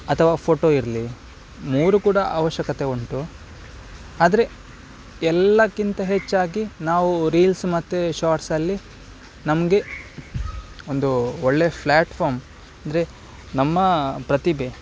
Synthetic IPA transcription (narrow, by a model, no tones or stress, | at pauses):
ɐt̪ʰɐʋaːpʰo̞ːʈo̞ːiɾli | muːɾukuːɽɐʔa̰ːʋɐʃjɐkɐt̪e̞oɳʈu | aːd̪ɐɾe̞ | ɛlːɐkːint̪ɐɦe̞t͡ʃːaːɡinaːʋuɾiːlsmɐt̪ːeʃaːɾʈsɐlːi | nɐmɐɡe̞ | o̞nd̪uoɭːe̞pʰlaːʈpʰaːɾm | ɐnd̪ɐɾe̞ | nɐmːɐpɾɐt̪ibe